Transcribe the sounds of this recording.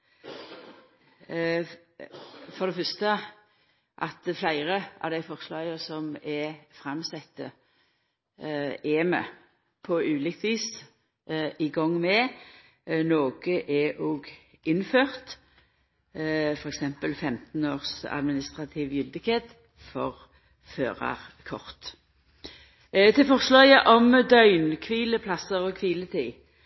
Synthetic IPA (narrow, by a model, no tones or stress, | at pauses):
fɔʁd̪ɛfœʁst̪ə | ʔɑt̪flæɪʁəʔɑ̰ʋd̪æɪfɔʁslɑːɡəsɔmɛfɾɑmsɛt̪ːə | eːmə̰ | pʰɔʉːlɪkt̪ʰʋiːs | ʔɪɡɔŋːmɛ | noːɡ̥əʔɛʔoːɡ | ʔɪnføːʁt̪ | fɔʁɛksɛmpəlfɛmt̪noːʁsɑ̰d̪mɪnɪst̪ʁɑt̪ʰɪʋjʏld̪əkʰɛt̪ | fɔʁ | føːʁɑ̰ʁkʰɔʁt̪ | t̪ʰɪlfɔʁslœɪəʔɔmd̪œʏnkʰʋiːləpʰlɑsəʁɔkʰʋiːlət̪ʰɪ